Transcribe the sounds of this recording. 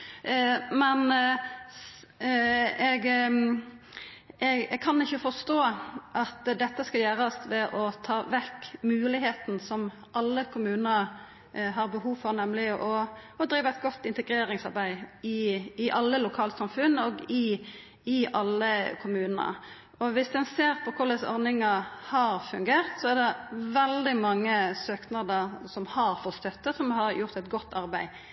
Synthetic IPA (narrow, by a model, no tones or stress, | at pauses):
mɛn | ɛɡ | ʔɛɡɛɡ̚kʰɑnɪçːəfɔst̪oːʔɑt̪d̪ɛt̪ːəskɑljæːɾɑst̪ʋɛʔɔt̪ʰɑːʋɛkːmʉːlɪɦeːt̪n̩sɔm | ʔɑlːəkʰʊmʉːnəɾ | ɦɑɾbəɦuːʋfɔɾnɛmlɪʔɔɔd̪ɾiːʋəɛt̪̚ɡɔt̪ːɪnt̪ɛɡɾeːɾɪŋsɑʁbæɪɪɪʔɑlːəlʊkʰɑːlsɑmfʉnːɔɡɪ | ɪʔɑlːəkʰʊmʉːnənə̰ | ʔɔʋɪsd̪ɛnseːɾpʰɔkʰʊləsɔ̰ɾnɪŋɑhɑɾfʉŋɡeːʁt̪sɔæd̪ɛʋɛld̪ɪmɑŋːəsøːknɑd̪əɾsɔmhɑɾfɔst̪œt̪ːəsɔmhɑɾjʊʁt̪ɛt̪ɡɔt̪ʰːɑɾʁbæɪ